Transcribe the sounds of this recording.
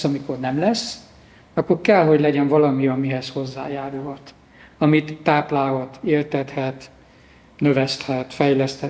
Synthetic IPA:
ɒmiko̞rnɛmlɛsː | ɒkːorkɛlɦo̞ɟlɛɟɛɱvɒlɒmiɒmiɦɛsho̞zːa̰ːjaːɾulɦɒt̪ | ɒmit̪ːaːplaːlɦɒt̪eːlt̪ɛt̪hɛt̪ | nøvɛst̪hɛt̪fɛjlɛst̪hɛ

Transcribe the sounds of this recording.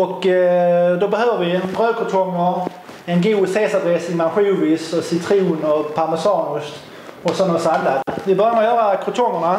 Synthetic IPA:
ɔk | d̪ɔbɛhøːvəvɪɛnbɾøːkʰʊt̪ʰɔŋːəɾ | ɛnɡuːseːsad̪ɾesɪŋmanɧʉːvɪsɔsɪt̪ʰɾuːnɔpʰaɾmɛsɑːnʊs | ɔsɔnːasalːavɪbœɾœjmːəɾɔjœːɾakʰɾʊt̪ʰɔŋːəɳa

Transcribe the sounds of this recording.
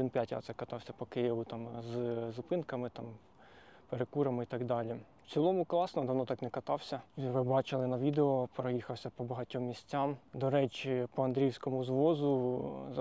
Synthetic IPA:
d̪ɪnpʲjatʲɑ̰t̪sɛkɐt̪ɑwsʲɐpɔkɪjɪʋʊt̪ɑmzzʊpɪnkɐmɪt̪ɑm | peɾekuɾɐmɪit̪ɐɡd̪ɑlʲi | w̪t͡sʲilˠɔmʊklˠɑsnɔd̪ɐʋnɔt̪ɑknɛkɐt̪ɑwsʲɐiʋɪbɑt͡ʃɪlˠɪnɐʋʲid̪eɔpeɾɐjixɐwsʲɐpɔbɐɦɐtʲɔmːʲisʲt͡sʲːamd̪ɔɾɛt͡ʃʲipɔɐnd̪ɾʲiwsʲkɔmʊzʋɔzʊ

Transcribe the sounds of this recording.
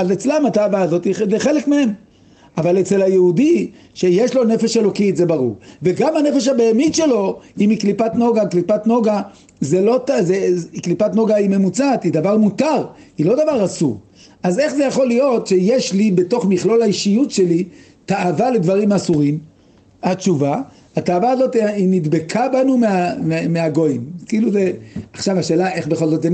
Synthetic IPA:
azet͡slemataːvaːzo̞t̪izeχe̞lekmeem | avalet͡se̞lhajeudi | ʃe̞jeʃlo̞ne̞fe̞ʃe̞lo̞kitze̞baʁṵʁveɡamane̞fe̞ʃhabejamitʃe̞lo̞imiklipatno̞ɡaklipat̪no̞ɡa | zelo̞tazeiklipatno̞ɡaime̞mut͡sat̪id̪avaʁmut̪aʁ | ilo̞d̪avaʁasuʁ | aze̞χze̞jaχo̞lijo̞t̪ʃe̞jeʃlibe̞to̞χmiχlo̞laiʃijutʃe̞li | taavale̞dvaʁimasuʁim | at͡ʃuva | at̪aːvaːzo̞t̪iinid̪be̞kʰabanumeamemeaɡo̞jimkiːluzeaχʃavaʃe̞ːlae̞χbe̞χo̞lzo̞t̪e

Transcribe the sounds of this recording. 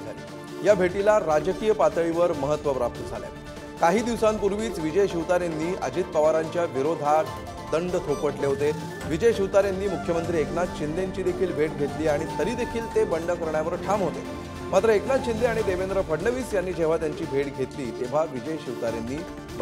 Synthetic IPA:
ali | jabʱeʈilaɾad͡ʑəkijəpat̪əɭiʋəɾməɦət̪ːʋəpɾap̚t̪əd͡zʱala̰j | kaɦiːd̪iʋsampuɾʋiːt͡sʋid͡ʑəjɕiʋt̪aɾenːiːʔə̰d͡ʑiːt̪̚pəʋaɾaɲt͡ɕjaʋiɾod̪ʱaʈ | d̪əɳɖt̪ʰop̪əʈleɦot̪e | ʋid͡ʑəjɕiʋt̪aɾjenːiːmukʰjəmənt̪ɾiːeknat͡st͡ɕind̪eɲt͡ɕiːd̪ekʰiːlbʱeʈ̚ɡʱet̪liːaɽ̃it̪əɾiːd̪ekʰiːlt̪ebəɳɖəkəɾɳjaʋəɾʈʰamɦot̪ḛ | mat̪ɾəeknat͡sɕind̪eaɽ̃id̪eʋend̪ɾəfʰəɽɳəʋiːsjanːiːd͡ʑeʋ̤at̪jaɲt͡ɕiːbʱeʈɡʱet̪liːt̪eʋ̤aʋid͡ʑəjɕiʋt̪aɾjenːiː

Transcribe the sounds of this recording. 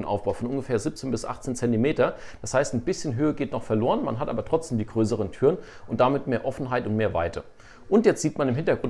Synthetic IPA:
nʔa̰ʊfb̥aʊfɔnʔʊnɡəfɛːɐzip̚t͡seːnbɪsʔa̰χt͡seːnt͡sɛntimeːtɐd̥ashaɪstnbɪsçənɦøːəɡeːtnɔχfɛɐloːʁənmanɦatʔaːbɐtʁ̥ɔt͡sd̥eːmdiːɡʁøːs̬əʁ̞əntʰyːʁənʔʊnt̚d̥amɪtmeːɐʔɔfn̩ɦaɪtʊntmeːɐva̰ɪtʰə | ʔʊntjɛt͡stz̥iːtmanɪmɦɪntɐɡ̥ʁʊn

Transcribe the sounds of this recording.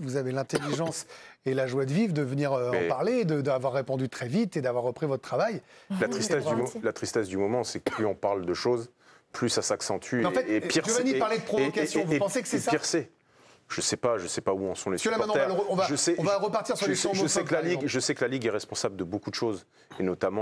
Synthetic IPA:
vuzavelɛ̃t̪eliʒɑ̃selaʒwad̪əvivd̪əvəniʁøɑɛ̃paʁled̪əd̪əavwaʁːepɔ̃d̪yt̪χɛvit̪ed̪avwaʁːəpχivɔt̪ːt̪ːχavajlat̪χist̪ɛsd̪ymlat̪χist̪ɛsd̪ymɔmɑ̃sɛkəplyɔ̃paʁld̪əʃoz | plysasaksɑ̃t̪ʰyeɑ̃fɛt̪epiʁʒanipaʁled̪əpχɔvɔkasjɔ̃vupɑ̃sekəsɛsaiʁsɛ | ʒ̥əsɛpaʒəsɛpauɔ̃sɔ̃lekəlamɛ̃ñt̪ɛvʁaʁəɔ̃vaʒəsɛɔ̃vaʁəpaʁt̪iʁsyʁleɔ̃ʒəsɛklaliɡʒəsɛkəlaliɡɛʁɛspɔ̃sabld̪əbokud̪əʃoz | enɔt̪amɑ̃

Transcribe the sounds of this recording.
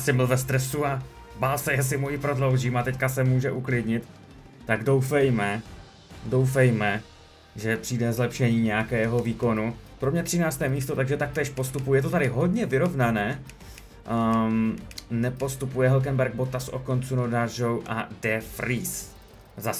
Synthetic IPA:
sɪml̩vɛst̪ɾɛsua | baːlsɛjɛs̬ɪmujɪpɾo̞dlo̞wʒiːmat̪ɛckasɛmuːʒɛʔuklɪdɲɪt̪ː | aɡdo̞wfɛjmɛ | do̞wfɛjmɛ | ʒɛpr̥iːdɛzlɛpʃɛɲiːɲɛjakɛːɦo̞viːko̞nupɾomɲɛt̪r̝̥ɪnaːt͡st̪ɛːmiːst̪o̞t̪aɡʒɛt̪ak̚t̪ɛːʃpo̞st̪upujɛt̪ot̪adɪɦo̞dɲɛvɪɾo̞vnanɛː | nɛpo̞st̪upujɛɦɛlk̬ɛnbɛɾɡ̚bot̪asʔo̞̰ko̞nt͡sunodaʒowʔa̰dɛfɾiːs | zas

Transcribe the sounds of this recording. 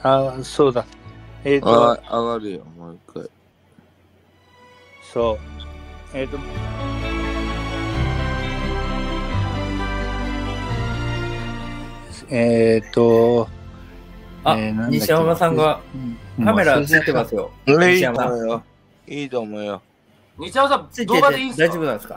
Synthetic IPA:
asoːd̪aet̪oaɡaɾɯjo̰maikːa̰i | so | eːt̪o | et̪o | anãɲidɕiamasãŋɡa | kame̞ɾat͡sɨit̪emasɨjo̞iɕiamasajo | iːt̪oːmoijo | ɲiɕamasat͡sɨid̪eeid̪aijʑo̞bɯnãnd̪eska̰

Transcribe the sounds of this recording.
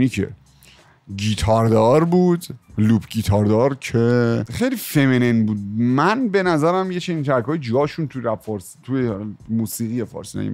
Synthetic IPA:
nicʰḛ | ɡit̪ʰɒɾd̪ɒːɾbuːd̪luːpʰɡit̪ʰɒɾd̪ɒɾcʰexejliːfeminenbuːd̪̚mænbe̞næzæɾæmjet͡ʃʰe̞nint̪ʰæɾkʰɒːjed͡ʒɡɒːʃunt̪ʰuɾæfɒːɾsit̪ʰujemuːsiːɣijefɒ̰ːɾsinæ̰jḭ

